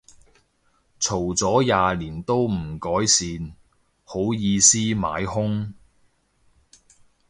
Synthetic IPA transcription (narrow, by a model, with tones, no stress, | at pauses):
t͡sʰo˨˩wt͡sɔː˨˥jaː˨˧liː˨˩nt̪o˥wm̩˨˩kɔː˨˥jsiː˨˧n | ho˨˥wjiː˨˧siː˥ma̰ː˨˥jhʊ˥ŋ